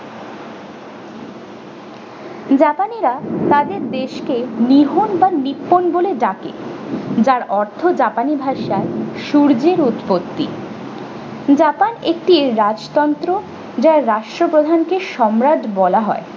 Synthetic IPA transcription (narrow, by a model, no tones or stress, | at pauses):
d͡ʑapaniɾat̪ad̪eɾd̪eʃkeniɦonbanipːonboleɖakḛd͡ʑaɾɔɾt̪ʰod͡ʑapanibʱaʃaeʃuɾd͡ʑeɾut̪pot̪ːḭ | d͡ʑapanek̚ʈiɾad͡ʑt̪ɔnt̪ɾo | d͡ʑaɾːaʃʈɾopɾod̪ʱankeʃɔmɾadbɔlaɦɔ̰e